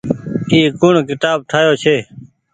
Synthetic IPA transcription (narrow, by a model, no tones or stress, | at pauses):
iːkʊɳkɪt̪aːb̚t̪ʰaːjoːt͡ʃʰeː